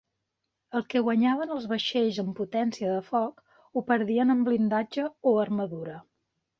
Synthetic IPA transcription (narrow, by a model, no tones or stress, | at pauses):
əlˠkɛɣwəɲaβənəlˠzβəʃeʎzəmput̪ɛnsiəðəfɔk | upəɾðiənəmblind̪ad͡ʒəoəɾməðuɾə